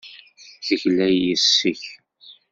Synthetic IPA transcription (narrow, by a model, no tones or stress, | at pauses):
θəʝlæjːəsːəç